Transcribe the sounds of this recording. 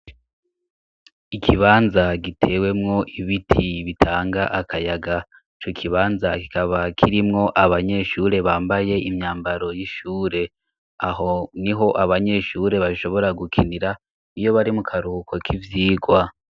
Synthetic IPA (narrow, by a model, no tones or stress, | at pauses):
ikʰiβaːnzaɡitʰe̞ːwe̞mŋo̞ʔiβitʰiβitʰaːŋɡaʔakʰajaɡa | it͡ʃo̞kʰiβaːnzaki̥kaβakʰiɾimŋo̞ʔaβaɲe̞ʃuɾe̞βaːmbaje̞imɲaːmbaɾo̞jiʃuːɾe̞ | aɦo̞niɦo̞ʔaβaɲe̞ʃuɾe̞βaʃo̞βo̞ɾaɡukʰiniɾa | ijo̞βaɾimukʰaɾukʰo̞kʰivjiːɡwa